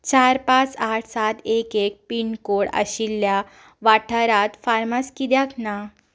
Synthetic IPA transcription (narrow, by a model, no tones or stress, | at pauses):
t͡ɕaɾpat͡saʈʰsat̪ekek̚piɳkoɽə̰ɕilːja | ʋaʈʰəɾat̪faɾmaskid̪jakna